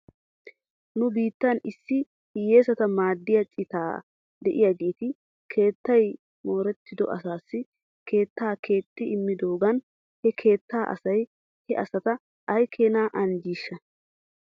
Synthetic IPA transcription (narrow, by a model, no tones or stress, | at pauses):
nʊbiːt̪ːɐnɪsːɪ | hɪje̞ːsɐt̪ɐmaːd̪ːɪjɐt͡ʃʼɪt̪aː | d̪ɛʔɪjaɡeːt̪ɪ | kʰe̞ːt̪ːɐj | mo̞ːɾɛt̪ːɪd̪ɔ̰ʔɐsaːsːɪ | kʰe̞ːt̪ːaːkʰeːt̪ʼːɪɪmːɪd̪o̞ːɡɐn | hɛkʰe̞ːt̪ːaːʔɐ̰sɐj | hɛʔɐsɐt̪ɐ | ɐjkʰe̞ːnaːʔɐnd͡ʒiːʃːɐ